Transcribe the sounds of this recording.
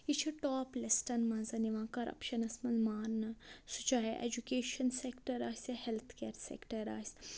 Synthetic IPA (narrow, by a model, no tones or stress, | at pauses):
it͡ʃʰiʈoːplesʈɐnmɐ̃zɐniʋãːkɐɾʔɐ̰pʃɐnɐsmɐnmaːɾnɐsut͡ʃaːɦiʔḛd͡ʒukeːʃɐnsekʈɐɾaːsɐhelt̪ʰkeːɾsḛkʈɐɾaːsʲ